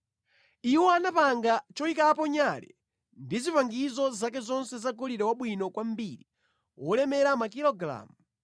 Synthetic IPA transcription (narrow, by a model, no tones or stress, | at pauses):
iwɔanapaŋɡat͡ʃɔikapɔɲalɛ̰ | ndizipaŋɡizɔzakɛzɔnsɛzaɡɔliɾɛwaɓwinɔkwambiɾi | wɔlɛmɛɾamak̬ilɔɡɾa̰ːmu